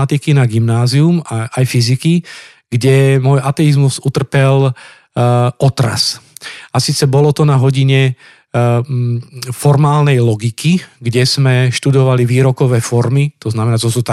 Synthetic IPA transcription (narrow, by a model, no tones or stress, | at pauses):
at̪ikinaɡimnaːziumaajfiziki | ɡ̥ɟɛmɔjʔat̪ɛizmuzut̪r̩pɛl | ɔt̪ɾa̰sasiːt͡sɛbɔlɔt̪ɔnaɦɔɟiɲɛ | fɔɾmaːlnɛjlɔɡikʰiɡɟɛz̥mɛʃt̪ud̪ɔʋaliʋiːɾɔkɔʋɛːfɔɾmit̪ɔznamɛnat̪ɔsuːt̪a